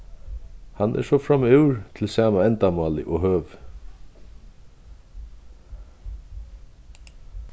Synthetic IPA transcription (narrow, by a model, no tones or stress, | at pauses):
hanʔɛ̰ʂɔfɾamɪwɹt̪ʰɪlsaːmaɛnt̪amaːlɪʔɔɦøːʋ